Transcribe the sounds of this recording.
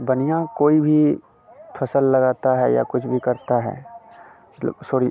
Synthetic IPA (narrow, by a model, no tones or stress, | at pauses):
bənijãkoːibʱi | pʰɐsəlːɐɡaːt̪aɦɛja̰kʊt͡ʃʰbʱikɐɾt̪aɦɛ̰ː | soːɾi